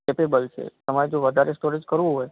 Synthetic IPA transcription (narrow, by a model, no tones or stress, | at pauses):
kepebəlt͡ʃʰḛt̪əmaɾed͡ʒõʋəd̪ʱaɾʔesʈoɾẽd͡ʒkəɾʋũɦoj